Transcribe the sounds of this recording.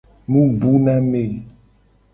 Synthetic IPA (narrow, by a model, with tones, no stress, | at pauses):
mũ˦bu˦nã˦me˨